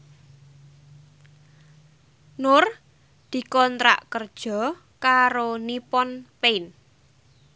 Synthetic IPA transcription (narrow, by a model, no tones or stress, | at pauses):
nʊr | d̪̥i̤kɔnt̪ɾa̰ʔkərd̥ʒ̥ɔ̤ | kaɾonipɔnpein